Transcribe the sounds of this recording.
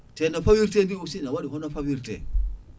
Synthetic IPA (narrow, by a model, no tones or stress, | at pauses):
tɛnafawiɾtendiusinawaɗiɦɔnafawiɾtɛ̰